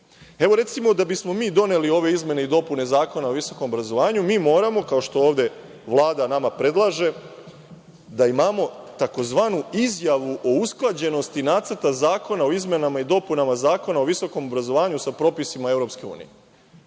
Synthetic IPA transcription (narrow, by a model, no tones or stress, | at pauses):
e̞ʋo̞ɾe̞t̪simo̞d̪abismo̞miːd̪o̞ne̞lio̞ʋe̞izme̞ne̞id̪o̞pune̞zaːko̞nao̞ʋiso̞komobɾazo̞ʋaːɲumiːmo̞ːɾamo̞kao̞ʃt̪o̞oːʋd̪e̞ | ʋlˠaːd̪anamapɾe̞d̪lˠaʒe̞ | d̪aimamo̞t̪ako̞zʋaːnuizjaʋuʔo̞usklˠad͡ʑe̞no̞st̪inaːt̪səɾt̪azaːko̞nao̞izme̞namaid̪o̞punamazaːko̞naoʋiso̞ko̞mobɾazo̞ʋaːɲusapɾo̞ːpisimae̞ʋɾo̞pske̞ṵːnḭje